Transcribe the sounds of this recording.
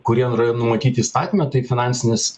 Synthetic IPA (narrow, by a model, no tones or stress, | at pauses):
kʊɾʲiɛnːɾɐjonʊmɐt̪ʲiːt̪ʲɪist̪ɑːt̪ʲimʲɛt̪ɐɪfʲɪnɑːnʲsʲɪnʲɪs